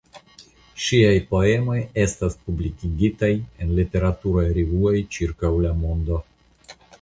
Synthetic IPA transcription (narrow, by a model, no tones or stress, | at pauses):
ʃiajpo̞e̞mo̞je̞staspublikiɡitaje̞nlite̞ɾatuɾojɾivuojt͡ʃiɾkawlamo̞ndo̞